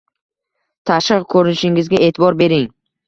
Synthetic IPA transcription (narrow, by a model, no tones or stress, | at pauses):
t̪ʰaʃɨqkʰɵɾɪnɪʃɪŋɪzɡʲaʔe̞ːt̪ʰɪbɒɾbe̞ɾɪŋ